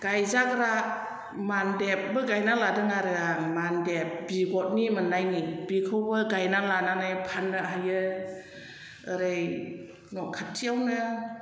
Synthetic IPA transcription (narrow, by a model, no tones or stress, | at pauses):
ɡ̥ajzaɡɾa | mandep̚bɯɡajnaladɯŋaɾɯamandep̚biɡɔt̚nimɯnajnib̥ikʰɯwbɯɡajnalananajpʰanɾaɦajɯ | ɯɾɯj | nɔkʰatʰijawnɯ